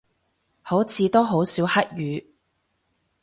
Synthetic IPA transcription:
ho˨˥wt͡sʰiː˨˧t̪oː˥ɦo˨˥wsiː˨˥whɐ˥t̚jyː˨˧

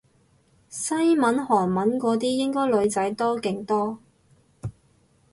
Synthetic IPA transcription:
sɐ˥jmɐ˨˥nɦɔː˨˩ŋmɐ˨˥nkɔː˨˧t̪iː˥jɪ˥ŋkɔː˥jlɵ˨˧ɥt͡sɐ˨˥jt̪ɔː˥kɪ˧ŋt̪ɔː˥

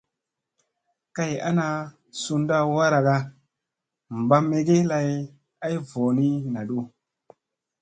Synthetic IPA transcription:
ka˦ja̰˦na˧ | su˧nda˦wa˦ɾa˨ɡa˦ | m˨ba˦mːe˨ɡe˦la˧j | a˦jvo˨ni˦na˨ɗu˦

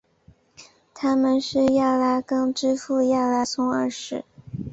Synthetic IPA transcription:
t̪ʰa˥mə˨nʂɻ̩˥˧ja˥˩la˥kɤ˥ŋʈ͡ʂɻ̩˥fu˥˧ja˥˩la˥sʰʊ˥ŋə˥˧ʂɻ̩˥˩

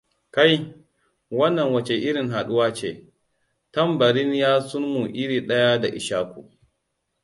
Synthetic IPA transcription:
ka˦j | wɐ˦nːɐ˨ŋwɐ˨t͡ʃe˨ʔɪ˦ɽɪ˨ŋɦa˨ɗʊ˦waː˦t͡ʃḛː˦ | tɐ˦mbɐ˨ɾɪ˦njaː˦sʊ˦nmu˨ʔɪ˦ɽiː˨ɗɐ˦ja˦da˨ʔɪ˨ʃaː˦kʷṵ˨

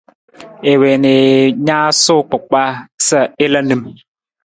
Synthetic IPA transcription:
e˨we˨ne˨ɲa˦so˦˨k͡po˨k̚ɓa˦sə˦˨e˦la˦nɨ˨m

